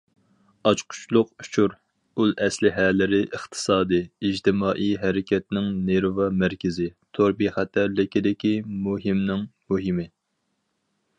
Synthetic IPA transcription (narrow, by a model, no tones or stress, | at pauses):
ɑt͡ʃqʰʊ̥t͡ʃlˠʊqu̥t͡ʃʰuɾ | ulˠʔɛslɪɦɛlɪɾɪʔəχt̪ʰɨ̥sɑːd̪ɨːd͡ʒt̪ʰɪmɑːʔijɦɛɾɪkʲɛt̪nɪŋneɾvɑmæɾkʲɪzɪt̪ʰoɾbiχæt̪ʰæɾlɪkʲid̪ɪkʲimuɦɪmnɪŋmuɦɪmɪ